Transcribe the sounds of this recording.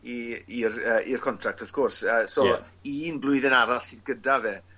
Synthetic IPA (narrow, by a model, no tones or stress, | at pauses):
iirəːʔirkʰɔntʰrak̚tʰɔv̥kʰɔrsəːsɔ | iːnblˠʊɨðənaɾaɬiðɡədavɛ